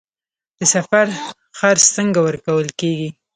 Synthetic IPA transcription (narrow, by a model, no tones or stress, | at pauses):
d̪̥əsafaɾ | xaɾst̪əŋɡawəɾkawəlkeɡi